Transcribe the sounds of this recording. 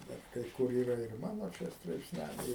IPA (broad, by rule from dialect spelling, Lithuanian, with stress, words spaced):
ˈbʲɛt kɐɪ ˈkʊr ˈiːrɐ ɪr ˈmɑːnoː ˈt͡ʃʲɛ strɐɪpʲsʲˈnʲælʲɛɪ